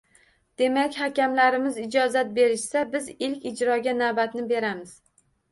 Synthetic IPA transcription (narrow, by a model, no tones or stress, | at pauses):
d̪̥e̞makʲhakʲamlaɾɪmɪzɪd͡ʒɒzat̪̚be̞ɾɪʃsabɪzɪlkʲɪd͡ʒɾɒɡʲanavbat̪nɪbe̞ɾamɪz̥